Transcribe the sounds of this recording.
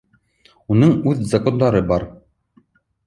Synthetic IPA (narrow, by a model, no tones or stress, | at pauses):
unɤɴʉðzɐko̞nd̪ɑɾɤbɑɾ